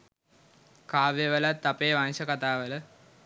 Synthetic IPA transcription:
kaːʋjəʋəlat̪ːapeːʋansəkat̪aːʋələ

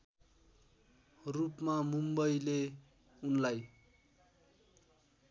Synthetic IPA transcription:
rupmamumbʌjle | unlaj

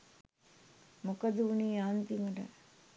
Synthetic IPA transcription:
mokɐd̪uuniːaːnt̪iməɖə̰

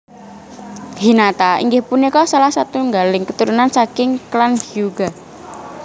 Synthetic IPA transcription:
hinat̪aḭŋɡɪhpunikɔsalahsat̪uŋɡalɪŋkət̪uɾunansakɪŋklanhjuɡa

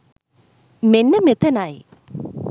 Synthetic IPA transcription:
menːɐmet̪ɐnaːjḭ

